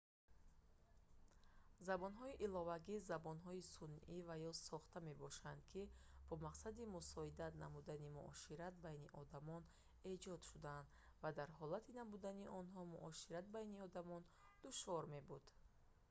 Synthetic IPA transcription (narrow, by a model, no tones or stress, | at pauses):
zabɔnɦɔiʔilɔvaɡizabɔnɦɔisunʔivajɔsɔχt̪ame̞bɔʃand̪kʰib̥ɔmaqsad̪imusɔid̪at̪namud̪animṵʔɔʃiɾat̪̚bajniʔɔd̪amɔn | e̞d͡ʒɔd̪ʃud̪aːnd̪vad̪aɾɦɔlat̪ʰinamud̪aniʔɔnɦɔmuʔɔʃiɾat̪̚bajniɔd̪amɔnd̪̥uʃvɔɾme̞bud̪̥